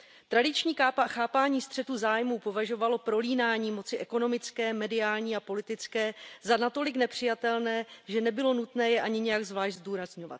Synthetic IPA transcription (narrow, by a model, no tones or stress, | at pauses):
t̪ɾadɪt͡ʃɲiːkaːpaxaːpaːɲiːst̪r̝̥ɛt̪uzaːjmuːpo̞vaʒo̞valo̞pɾo̞liːnaːɲiːmo̞t͡sɪʔɛko̞no̞mɪt͡skɛːmɛdɪaːlɲiːapo̞lɪt̪ɪt͡skɛːzanat̪o̞lɪknɛpr̝̥ɪjat̪ɛlnɛːʒɛnɛbɪlo̞nut̪nɛːjɛʔaɲɪɲɛjaɡzvlaːʃɟzduːɾazɲo̞va̰t̪̚